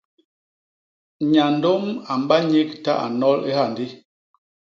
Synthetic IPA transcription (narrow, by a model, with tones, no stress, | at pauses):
ɲa˨n˦do˦ma˨m˨˦ba˦ɲi˦k̚ta̰˦ʔa̰˨nɔ˦lḛ˦ha˦˨ndi˦